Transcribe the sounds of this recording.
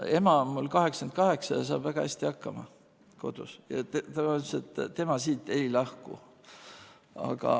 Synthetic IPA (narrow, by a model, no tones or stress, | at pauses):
e̞mɑmulkɑɦe̞ksɑnd̪̚kɑɦe̞ksɑjɑs̬ɑ̰ːb̥væɡ̥ɑhæsʲt̪ihɑkːɑmɑ | ko̞̰d̪̥usjɑ̰t̪et̪æmɑoset̪ːt̪ːe̞mɑsiːt̪ːˑe̞jlɑhkṵ | ɑ̰ɡ̥ɑ̰